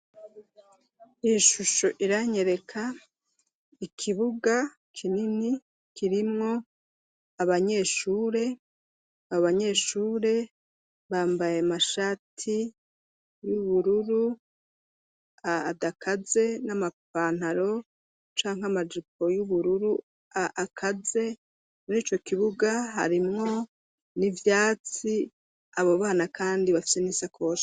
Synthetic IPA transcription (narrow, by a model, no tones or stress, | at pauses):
iʃuʃoʔiɾaɲe̞ɾe̞kʰa | ikʰiβuɡa | kʰinini | kʰiɾimŋo̞ | aβaɲe̞ːʃuːɾe̞ | aβoβaɲe̞ːʃuːɾe̞ | βaːmbaje̞maʃaːtʰi | juβuɾuɾu | aːdakʰaze̞namapaːn̥haɾo̞ | t͡ʃaːŋ̥ɦamad͡ʒip̚ʰo̞juβuɾuɾu | aʔakʰaze̞ | muniːt͡ʃo̞kiβuɡaɦa̰ɾimŋo̞ | nivjaːt͡si | aβo̞βaːnakʰaːndiβafi̥seniːsakʰo̞ːʃa